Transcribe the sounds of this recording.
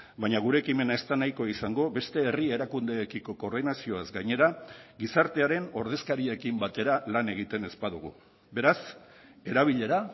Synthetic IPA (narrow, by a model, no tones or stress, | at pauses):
baɲaɣ̞uɾe̞ːkime̞nae̞st̪anajko̞isaŋɡo̞βe̞st̪e̞ːrieɾakund̪e̞kiko̞ko̞ɾðinasio̞azɡajɲe̞ɾaɡisaɾt̪e̞aɾe̞no̞ɾð̞e̞skaɾiekimbat̪e̞ɾalane̞ɣ̞it̪e̞ne̞spaðuɣ̞u | be̞ɾas | e̞ɾaβ̞iʎe̞ɾa